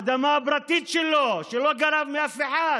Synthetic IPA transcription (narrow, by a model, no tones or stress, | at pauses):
d̪amaːbɾat̪it̪ʃeloʃelo̞ɡaɾavmeafeħa